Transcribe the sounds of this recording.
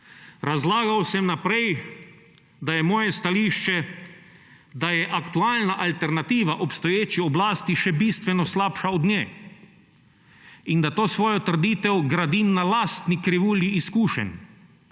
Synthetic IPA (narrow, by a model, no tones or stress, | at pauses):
ɾazlaːɡawsɛmnapɾɛj | d̪ajɛmɔːjɛst̪aliːʃt͡ʃɛ | d̪ajɛʔakt̪uaːlnaʔalt̪ɛɾnat̪iːʋaʔɔpst̪ɔjeːt͡ʃiɔblaːst̪iʃɛbiːst̪ʋɛnɔslaːpʃaɔd̪njɛː | ind̪at̪oːsʋoːjɔt̪rd̪iːt̪ɛwɡɾad̪imnalast̪nikɾiʋuːliiskuːʃɛ̰n